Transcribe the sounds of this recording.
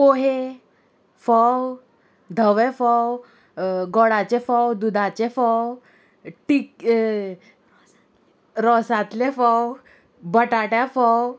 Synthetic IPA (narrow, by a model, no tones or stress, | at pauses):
poɦe | fɔw | d̪ʱəʋefɔw | ɡɔɽat͡ɕefɔwd̪ud̪ʱat͡ɕefɔw | ʈik | ɾɔsat̪lefɔw | bəʈaʈjafɔw